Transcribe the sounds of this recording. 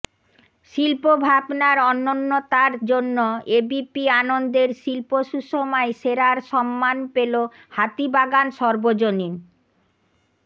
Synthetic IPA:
ʃilpobʱabnaɾɔnːonːot̪aɾd͡ʑonːoebipianond̪eɾʃilpoʃuʃomaeʃeɾaɾʃɔmːanpelo | hat̪ibaɡanʃɔɾbod͡ʑonin

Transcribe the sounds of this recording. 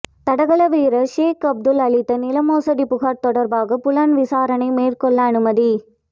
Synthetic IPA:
t̪ɐɽɐɣɐɭɐʋiːɾɐʂeːkɐb̚d̪ɯlɐɭɪt̪ːɐnɪlɐmoːsɐɽipʊɣaːʈt̪ɔɽɐɾbaːɣɐpʊlanʋɪsaːɾɐnɐɪmeːrkɔɭːɐːnɯmɐði

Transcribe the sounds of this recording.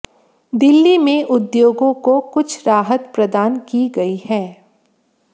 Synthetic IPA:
d̪ɪlːimẽʔʊd̪joːɡõkokʊt͡ʃʰɾaːɦət̪pɾɐd̪aːnkiɡɐihɛː

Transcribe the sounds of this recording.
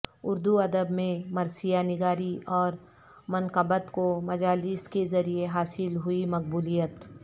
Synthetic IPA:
ʊɾd̪uɐd̪əbmẽmɐɾsijanɪɡaːɾiɔːɾ | mɐnqəbət̪komɐd͡ʒaːlɪskezɐɾieɦaːsɪlɦʊimɐq̚buːlijət̪

